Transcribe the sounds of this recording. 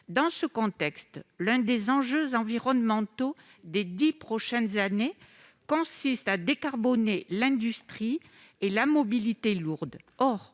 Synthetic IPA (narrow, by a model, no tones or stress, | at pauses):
d̪ɑ̃səkɔ̃t̪ɛkst̪lɛ̃d̪ezɑ̃ʒøzɑ̃viʁɔnmɑ̃t̪o | d̪ed̪ipχɔʃɛnzane | kɔ̃sist̪ad̪ekaʁbɔnelɛ̃d̪yst̪χi | elamɔbilit̪eluʁd̪ | ɔʁ